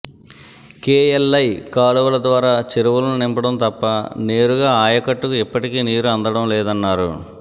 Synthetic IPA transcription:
keːelːɐjkaːluʋɐlɐd̪ʋaːɾaːt͡ʃeɾuʋulɐnunimpɐɽɐmt̪ɐpːɐne̞ːɾuɡaːaːjɐkɐʈːukuipːɐʈikiːniːɾuɐnd̪ɐɽɐmlɛːd̪ɐnːaːɾṵ

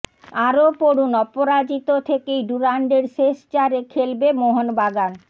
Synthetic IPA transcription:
aɾopoɽunɔpoɾad͡ʑit̪ot̪ʰekejɖuɾaɳɖeɾʃeʃt͡ɕaɾekʰelbemoɦonbaɡan

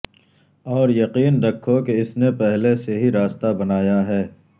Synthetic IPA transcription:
ɔːɾjɐqiːnɾɐkʰːokeɪsnepɛɦleseɦiɾaːst̪abɐnaːjaɦɛː

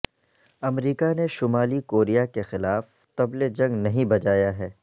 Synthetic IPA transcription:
ɐmɾiːkaneʃʊmaːlikoːɾijakexɪlaːf | t̪ɐbled͡ʒɐ̃ŋɡnɐɦĩbɐd͡ʒaːjaɦɛː

